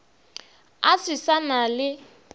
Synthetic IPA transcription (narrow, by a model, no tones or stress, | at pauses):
asisanalɪ